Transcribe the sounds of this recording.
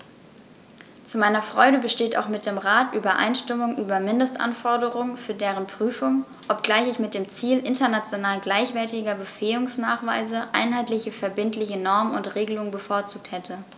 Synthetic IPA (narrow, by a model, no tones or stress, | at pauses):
t͡sumaɪnɐfʁ̥ɔʏɾəbəʃteːta̰ʊxmɪt̚d̥eːmʁaːtʔyːbɐʔa̰ɪnʃtɪmʊŋʔyːbɐmɪndəstʔa̰nfɔɐdəʁʊŋənfyːɐdeːʁ̞ənpʁ̥yːfʊŋ | ʔɔp̚ɡ̥laɪçɪçmɪt̚d̥eːmt͡siːlʔɪntɐnat͡sjonaːlɡlaɪçv̥ɛɐtɪɡɐbəfeːʊŋsnaːχv̥a̰ɪzəʔa̰ɪnɦaɪtlɪçəfɛɐbɪntlɪçənɔɐmənʊntʁeːɡəlʊŋənbəfoːɐt͡suːk̚thɛtʰə